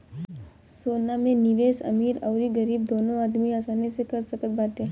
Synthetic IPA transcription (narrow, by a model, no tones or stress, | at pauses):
soːnamẽnɪʋeːsɐ̰miːɾəʊɾiɡəɾiːb̚d̪oːnõaːd̪miaːsaːnesekəɾsəkət̪̚baːt̪eː